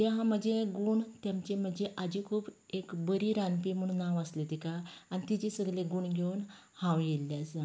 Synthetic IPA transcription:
t̪aɦãm̤əd͡ʑeɡuːɳt̪jamt͡ɕem̤əd͡ʑeʔad͡ʑikʰuːb | ekbəɾiɾanp̬im̤əɽ̃ũnːaʋəslet̪ikaanit̪id͡ʑesəɡleɡuɳɡʱeun | hãwjelːjasa

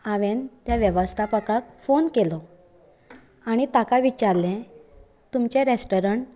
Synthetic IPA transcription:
aʋent̪jaʋjəʋəst̪ʰapəkakfonkelɔ | aɽ̃it̪akaʋit͡ɕaɾlɛ̃ | t̪umt͡ɕẽɾesʈɔɾəɳʈ

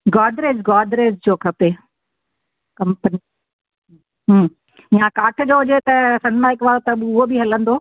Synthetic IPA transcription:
ɡɔːɖ̪ɾeːzɡɔːdɾeːzd͡ʑoːkʰɐpe | kɐ̃mpəni | ɦ | ijãkaːʈʰd͡ʑoːɦʊd͡ʑet̪ɐsɐ̃ɽmaːɦɪkʋaːɽot̪ɐbɪʊɦobiɦɐlə̃nd̪oː

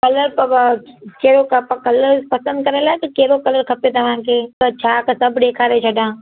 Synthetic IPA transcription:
kɐləɾp | t͡ʃeːɾokkɐləɾpɐsə̃nd̪̚kɐɾelat̪okeːɾokɐləɾkʰɐpet̪ɐʋãːkeɐtːt͡ʃʰakasɐbɖeːkʰaːɾet͡ʃʰɐɖãː

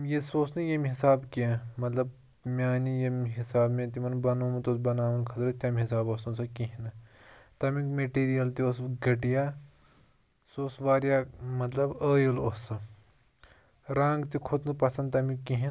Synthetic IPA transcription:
jesoːsnɨjɐmiɦisaːbkẽmɐt̪lɐb̚ | mʲaːnijɐmɦisaːbmẽt̪imɐnbɐnuːmɐt̪oːsbɐnaːʋɐnkʰɐt̪ɾɐt̪ʲɐmɦisaːboːsɐsɐkiɦinɨt̪ɐmikmeʈiːɾijɐlt̪iosɡɐʈijaː | soːsʋaːɾijamɐt̪lɐbəːjɐloːsɨ | ɾãːŋɡt̪ikʰot̪npɐsɐnd̪t̪ɐmikĩɦin

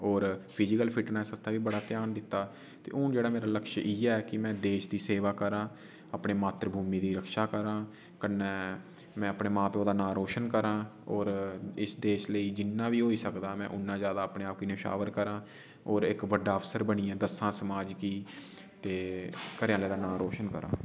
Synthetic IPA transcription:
ɔːɾpʰɪd͡ʒɪkəlpʰɪʈnɛːsəst̪ʰaːʋiːbəɽaːt̪ɪjaːnd̪ɪt̪ːaː | t̪ḛːʊnd͡ʒeːɽaːmeːɾaːləkʃɪːɛːɛːkɪmɛ̃ːd̪eːʃd̪iːseːʋaːkəɾãː | apɳeːmaːt̪ɾəbʱuːmiːd̪iːɾəkʃaːkəɾãː | kənːɛː | mɛ̃ːəpɳeːmãːpeõːd̪aːnaːɾoːʃənkəɾãːɔːɾɪsd̪eːʃləiːd͡ʒɪnːãːʋiːɦoːiːsəkd̪aːmɛ̰̃ːʔʊnːãːzjaːd̪aːəpɳeːaːp̚kinəʃa̰ːʋəɾkəɾãː | ɔːɾɪkʋəɖaːəfsəɾbəɽ̃iːãːd̪əsãːsəmaːd͡ʒkiː | t̪eːkəɾjãːləːd̪aːnãːɾoːʃənkə̰ɾã̰ː

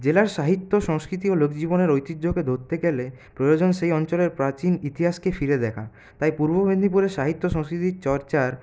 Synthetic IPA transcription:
d͡ʑelaɾʃaɦit̪ːoʃɔŋskɾit̪̬iolokd͡ʑiboneɾojt̪id̪d͡ʑoked̪ʱoɾt̪eɡele | pɾojod͡ʑonʃejɔnt͡ɕoleɾpɾat͡ɕinit̪iɦaʃkefiɾed̪ɛkʰa̰ | t̪ajpuɾbobʱend̪ʱip̬uɾeʃaɦit̪ːoʃɔŋskɾit̪iɾt͡ɕɔɾt͡ɕaɾ

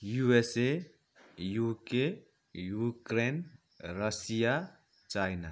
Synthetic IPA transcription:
juese | juke | jukɾen | ɾʌsija | t͡ʃajna

